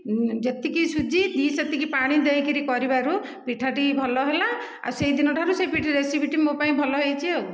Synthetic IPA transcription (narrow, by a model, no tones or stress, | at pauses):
d͡ʒet̪ikisud͡ʒid̪iset̪ikipaɽ̃id̪ejkiɾikɔɾibaɾu | piʈʰaʈibʱɔlɔɦela | a̰usejd̪inɔʈʰaɾusepiʈʰiɾesibʱiʈimopaĩbʱɔlɔɦejt͡ʃʰio